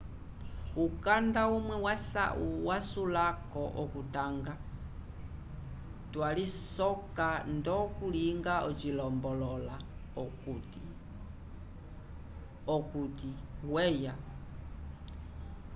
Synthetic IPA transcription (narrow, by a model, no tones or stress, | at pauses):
ukandaumwɛwasa̰uwasulakɔʔɔkutaŋɡa | twalisɔkandɔkuliŋɡaɔt͡ʃilɔmbɔlɔlakt | ɔkutiwɛja